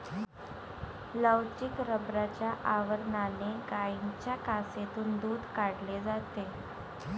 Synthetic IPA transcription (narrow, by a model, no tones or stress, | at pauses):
ləwt͡ɕikɾəbɾat͡ɕjaʔaʋəɾnaneɡaint͡ɕjakaset̪uːnd̪uːd̪ʱkaɽled͡zat̪e